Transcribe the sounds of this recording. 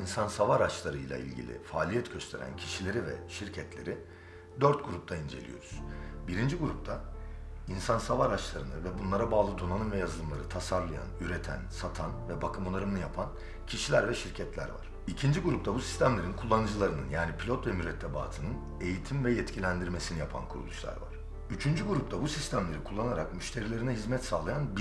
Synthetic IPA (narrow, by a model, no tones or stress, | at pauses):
insansavaɾat͡ʃlˠaɾɯjlˠa̰ḭlʲɟḭlʲɪ̰faːlʲijɛt̪ɟøst̪ʰe̞ɾæ̰ncʰi̥ʃilʲe̞ɾivɛ̰ʃiɾcʰɛt̪lʲe̞̰ɾi | d̪øɾt̪̚ɡuɾup̚t̪ʰaind͡ʒe̞lʲḭjo̞̰ɾuz̥biɾind͡ʒiɡuɾup̚t̪ʰa | insansavaɾat͡ʃlˠaɾɯnɯvɛbunlˠaɾabaːlˠɯd̪onanɯnvɛjazɯlˠɯmlˠa̰ɾɯt̪ʰasaɾlˠaja̰nyɾet̪ʰæ̰nsat̪ʰanvɛbakʰɯmonˠaɾɯmnɯjapʰan | cʰiʃilʲæɾvɛʃiɾcʰɛt̪lʲæ̰ɾva̰ɾ̥icʰind͡ʒiɡuɾupt̪abusi̥st̪ʰæmlʲe̞ɾinkʰulˠːanɯd͡ʒɯlˠaɾɯnɯnjaːnipʰilʲot̪vɛmyɾɛt̪ʰːeba̰ːt̪ʰɯnɯn | e̞jit̪ʰimvɛjɛt̪cʰilʲænd̪iɾme̞sinijapʰa̰nkʰuɾṵlˠuʃlˠa̰ɾva̰ɾ̥ | yt͡ʃʰynd͡ʒyɡuɾup̚t̪ʰabusist̪ʰæmlʲe̞ɾikʰulˠːanaɾakmyʃt̪ʰe̞ɾilʲe̞ɾinɛɦizmɛt̪saːlˠajanb